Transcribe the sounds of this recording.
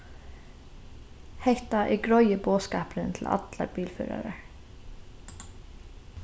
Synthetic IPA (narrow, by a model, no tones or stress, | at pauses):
hɛht̪ɑʔiːɡɹɔʏəboːskɑ̰ːpɾənt̪ʰl̩ʔɑ̰t̪lɑ̰ɾbiːlfø̰ːɾɑ̰ɾə